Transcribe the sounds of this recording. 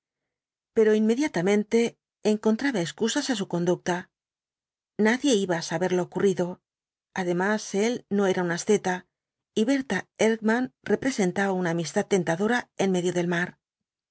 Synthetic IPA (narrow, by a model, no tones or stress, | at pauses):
pe̞ɾo̞inme̞ðjat̪amẽ̞nt̪e̞ː | ŋko̞nt̪ɾaβaeskusasasuko̞nd̪uk̚t̪a | naðje̞iβaːsaβe̞ɾlo̞ːkuriðo̞ | aðe̞mase̞lno̞e̞ɾaunasθe̞t̪a | iβe̞ɾt̪aeɾɡmãnre̞pɾe̞se̞nt̪aβaunaːmist̪at̪ːe̞nt̪aðo̞ɾae̞nme̞ðjoðe̞lmaɾ